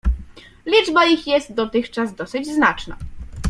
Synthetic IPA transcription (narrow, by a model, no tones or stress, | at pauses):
lʲid͡ʐbaixjɛst̪̚d̪ɔt̪ɘxt͡ʂazd̪ɔsɘd͡ʑznat͡ʂna̰